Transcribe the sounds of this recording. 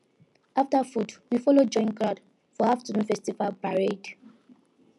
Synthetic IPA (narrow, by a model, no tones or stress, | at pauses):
aftafudwifɔlod͡ʒɔ̃ɪ̃nkɹad | fɔaftunfɛstivalpaɹed